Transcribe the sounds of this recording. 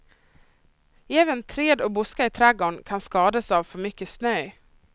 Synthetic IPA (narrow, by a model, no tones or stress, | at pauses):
jɛːvənt̪ʰɾeːd̪ɔbʊskaɪt̪ʰɾæɡoːɳkʰanskɑːd̪asavfœɾmʏkːəsnœj